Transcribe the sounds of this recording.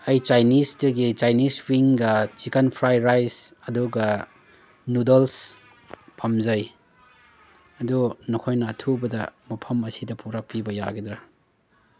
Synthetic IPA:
ɐjt͡ʃajnisdɐɡit͡ʃajniswiŋɡɐt͡ʃikɐnpʰɾajɾajsɐduɡɐ | nudels | pʰɐmzɐj | ɐdunɔkʰojnɐːtʰubɐdɐmɐpʰɐmɐsidɐpuɾɐk̚pibɐja̰ɡedɾɐ

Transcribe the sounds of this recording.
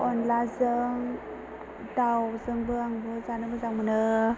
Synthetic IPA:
ɔnlazɯŋ | dawzɯŋbɯaŋbɯzanɯbɯzawmɯnɯ

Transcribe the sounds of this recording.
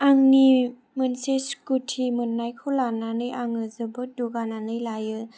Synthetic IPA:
aŋni | mɯnseskutʰimɯnːajkʰolananɯjaŋɯzɯbɯduɡananɯjlajɯ

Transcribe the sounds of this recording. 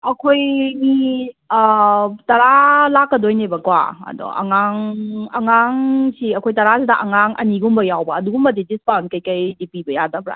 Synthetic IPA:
ɐkʰojmi | tɐɾalakːɐdojnebɐkwa̰ɐ̰dɔ̰ʔɐ̰ŋaŋɐŋaŋsiɐkʰojtɐɾasidɐʔɐŋaŋʔɐ̰niɡumbɐjawbɐːduɡumbɐdidispawnkɐjkɐjdipibɐjadɐbɾa̰

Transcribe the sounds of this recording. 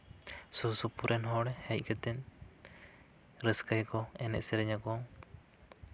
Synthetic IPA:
susupuɾʔɛnɦɔɽɛhɛc̚ˀkɛt̪ɛn | ɾɛskajkɔɛnɛ̰ʔsɛɾɛɲakɔŋ

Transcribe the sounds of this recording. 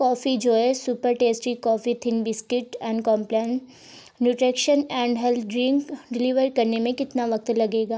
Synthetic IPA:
kɔːfid͡ʒoːɦɛsupəɾʈeːsʈɾikɔːfit̪ʰɪnbɪskɪʈɛ̃ːɳɖkɔ̃ːmplɛn | nuʈɾeːkʃənɛ̃ːɳɖɦɛlɖɾɪ̃ŋkɖɪliʋəɾkɐɾnemẽkɪt̪naʋɐk̚t̪lɐɡeːɡaː

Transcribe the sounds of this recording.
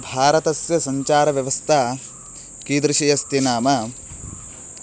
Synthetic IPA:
bʱaːɾɐt̪ɐsjɐsɐɲt͡ʃaːɾɐʋjɐʋɐst̪ʰaː | kid̪ɾɪʃijɐst̪inaːmɐ

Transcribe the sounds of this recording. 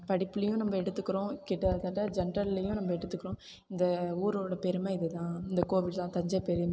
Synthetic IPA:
pɐɽɪpːɯlɐjʊ̃nɐmbɐɛɽɯt̪ːɯkːɪɾõːkɪʈːɐt̪ɐʈːɐd͡ʒɛnɾɐllɐjʊ̃nɐmbɐɛɽɯt̪ːɯkːɯɾõ | ɪnd̪ɐuːɾoːɽɐpɛɾɯmeːɪðɯt̪ãːɪnd̪ɐkoːʋɪlt̪ãːt̪ɐɲd͡ʒɐpɛɾɯme

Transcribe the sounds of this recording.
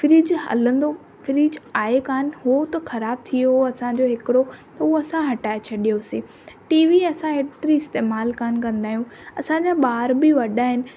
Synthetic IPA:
fɪɾiːd͡ʑɦɐ̰lə̃nd̪o | fɪɾiːd͡ʑaːekaːnɦot̪ɐxɐɾaːb̚t̪ʰijooɐsãɲd͡ʑoɦɪkɪɽot̪ɐɦuoɐsãɦɐʈaːet͡ɕʰɐɗijosiː | ʈiːʋiɐsãɦeːt̪ɪɾiɪst̪eːmaːlkaːnkɐ̃nd̪aːɦijũɐsãd͡ʑãɓaːɾbɪʋɐɗaːɦɪnɪ̆

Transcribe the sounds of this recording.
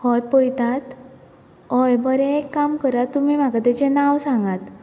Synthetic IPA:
hɔjpojt̪at̪ | ɔjbəɾɛ̃ekːamkəɾat̪ːumim̤akat̪ɛt͡ɕenawsãŋɡat̪

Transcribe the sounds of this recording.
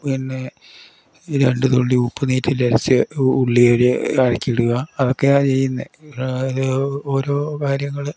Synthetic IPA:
pinːe̞ | ɾe̞ɳɖɨt̪o̞ɭːiupːɐniːtːilɐɾɐt͡ɕːɨuɭːijoɾɨɐɻɐkʲːiiɽuɣɐɐðo̞kːe̞at͡ɕe̞jːunːɐiðɨo̞ːɾo̞ːkaːɾjɐŋːɐɭ

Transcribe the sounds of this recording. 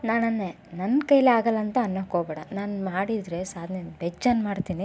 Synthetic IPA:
naːnɐnːe | nɐnkɐjleaːɡɐlːɐnt̪ɐːnːɐkoːbɛːɽɐnaːnmaːɽid̪ɾe̞saːd̪ʱnenbɛd͡ʒd͡ʒaːnmaːɽt̪iːni

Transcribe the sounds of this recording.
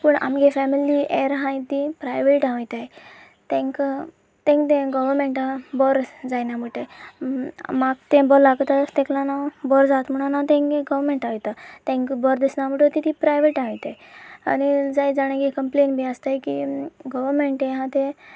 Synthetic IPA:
pəɳa̰mɡefɛmilieɾɦãjt̪ipɾajʋeʈãʋjt̪aj | t̪ɛ̃ŋk | t̪ɛ̃ŋkt̪ɛ̃ɡəʋəɾmeɳʈabɔɾd͡zajnaməʈaj | maɡ̚t̪ɛ̃bɔɾlaɡt̪at̪ɛ̃klanabɔɾd͡zat̪m̤əɽ̃anat̪ɛ̃ŋkɡẽɡəʋɾmeɳʈaʋit̪at̪ɛ̃ŋkbɔɾd̪esnam̤əʈət̪it̪ipɾajʋeʈãʋit̪aj | a̰nid͡zajd͡zaɽ̃ãɡekəmplenbiast̪ajkḭɡɔʋəɾmeɳʈẽɦãt̪ẽ

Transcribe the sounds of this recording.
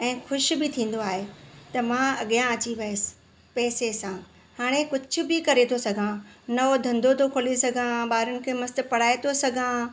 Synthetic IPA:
ɛ̃ːxʊʃbɪt̪ʰĩːn̆d̪oaːɦet̪ɐmãɐɠijãɐt͡ɕiʋɐəsɪ̥ | pɛːsesã | haːɽ̃ekʊd͡ʑʱʊ̆bɪkɐɾet̪ʰosɐɡʱãnɐod̪ʱɐ̃nd̪ʱot̪ʰokʰoːlesɐɡʱãɓaːɾənɪ̆kʰeːmɐst̪ɪpɐɽ̤aːet̪ʰosɐɡʱã

